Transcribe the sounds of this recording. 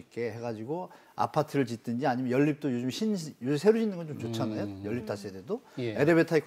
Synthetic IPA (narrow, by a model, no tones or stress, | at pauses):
ik͈e̞he̞ɡad͡ʑiɡo | a̰pʰatʰɯɾɯɭt͡ɕit͈ɯnd͡ʑiaɲimjʌnjʌʎːip̚t͈ojod͡ʑɯmɕʰinjod͡ʑɯmsʰeɾuɕʰinɯnŋɡʌnt͡ɕomt͡ɕot͡ɕʰanajojʌɭːip̚t͈as͈ededoeɾebetʰaikʰ